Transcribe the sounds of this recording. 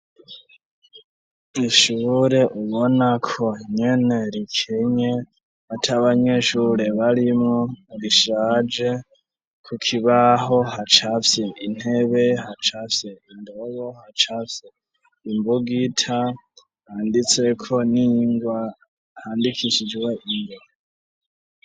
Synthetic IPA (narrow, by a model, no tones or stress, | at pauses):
iʃuːɾe̞ʔuβo̞nakʰo̞ɲene̞ɾikʰeɲe | βatʰaβaɲe̞ʃuɾe̞βaɾimŋoɾiʃaːd͡ʒe̞ | kʰukʰiβaɦo̞hat͡ʃafjein̥he̞βe̞hat͡ʃafjeindoβo̞hat͡ʃafje | imbuɡitʰa | haːndit͡sekʰo̞niŋɡwa | haːndikʰiʃid͡ʒweʔiŋɡa